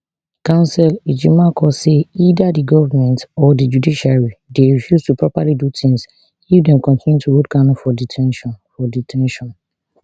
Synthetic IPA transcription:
kãʊ̃nsɛlid͡ʒimakɔseidadiɡɔvamɛ̃ntɔdid͡ʒudiʃaɹideɹifjuztupʰɹɔpalidutʰĩŋs | ifdɛ̃mkɔ̃ntĩnjutʰuɹodɡãñfɔditʰɛ̃nʃɔ̃nfɔditʰɛ̃nʃɔ̃n

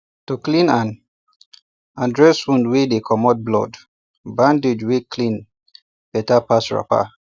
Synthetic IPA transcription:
tuklĩnãn | ãndɹɛswũndwedekʰɔmɔt̚blɔ̰d | bãndid͡ʒwekʰlĩn | pɛtapasɹa̰pa̰

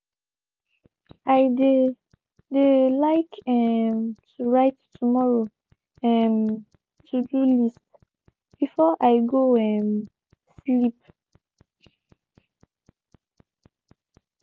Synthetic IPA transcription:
ʔajd | delaɪkɛmtʰuɹajttʰumɔɹo | ɛn | tʰudulist | b̥ifɔʔajɡoɛ̃n | slip

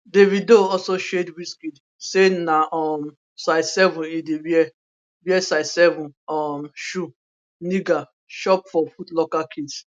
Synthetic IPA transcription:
devidoɔsoʃedwiskid | senaʔɔm | saɪsɛvũnidebiɛ | biɛsaɪsɛvũnɔmʃu | niɡa | ʃɔpfɔfutlɔkakʰids

